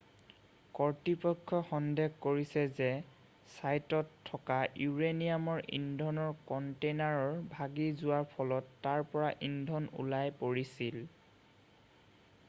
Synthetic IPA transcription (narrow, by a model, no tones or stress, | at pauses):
kɔɹtipɔkʰːɔxɔndeɡkoɹisɛzɛ | sajtɔtʰːɔkajuɹenijamɔɹʔḭndʱɔnɔɹkɔntenaɹɔɹbʱaɡizʊwaɹpʰɔlɔtːaɹpɔɹaʔindʱɔnṵlajpoɹisil